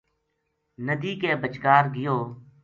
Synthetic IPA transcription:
nəd̪iːkeːbət͡ʃkaːɾɡɪjoː

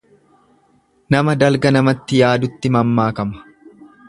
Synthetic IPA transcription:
nɐmɐd̪ɐlɡɐnɐmɐt̪ːɪjaːd̪ʊt̪ːɪmɐmːaːkɐmɐ̥

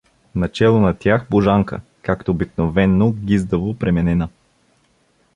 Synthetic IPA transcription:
nɐt͡ʃɛlˠonɐt̪ʲjaxboʒaŋkə̰ | kakt̪oːbiknovɛnːoɡʲizd̪əvopɾɛmɛnɛna

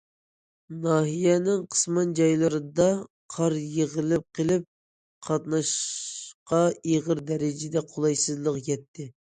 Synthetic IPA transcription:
nɑːɦijɛnɪŋqʰə̥smɑnd͡ʒɑjlˠɨɾɨd̪ɑ | qʰɑɾjeʁəlˠɪp̚qʰəlˠɪp̚ | qʰɑt̪nɑʃqɑeʁəɾd̪ɛɾɪd͡ʒɪd̪ɛqʰolˠɑjsɨzlˠəqjɛt̪ʰːɪ

